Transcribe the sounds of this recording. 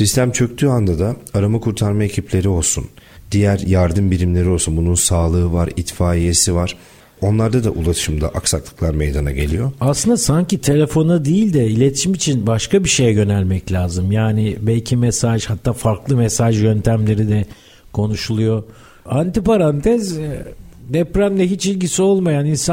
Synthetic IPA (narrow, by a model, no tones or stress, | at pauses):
sist̪ʰæmt͡ʃʰø̞c̚t̪ʰyand̪ad̪aaɾamakʰuɾt̪ʰaɾmae̞cʰiplʲe̞ɾio̞lˠsṵnd̪ijæɾjaɾd̪ɯmbiɾimlʲe̞ɾio̞lˠsunbununsaːlˠɯɯvaɾit̪faːije̞sivaɾ̥ | o̞nlˠaɾd̪ad̪aʔulˠaʃɯmd̪a̰ʔaksaklˠɯ̥klˠaɾme̞jd̪ana̰ɟe̞lʲijo̞aslˠɯnd̪asaɲcit̪ʰe̞lʲe̞fo̞nad̪ijilʲd̪ɛilʲe̞t̪ʰi̥ʃimit͡ʃʰinbaʃkabiʃe̞jɛɟø̞nælʲmɛclʲaːzɯmjaːnibɛlʲcʰimesaʒhat̪ʰːaːfaɾklˠɯmesaʒjø̞nt̪ʰæmlʲe̞ɾid̪ɛ | kʰo̞nuʃulˠujo̞ | ant̪ipaɾant̪ʰɛz | d̪ɛpɾamd̪ʲɛɦit͡ʃilʲɟisio̞lˠmajaninsa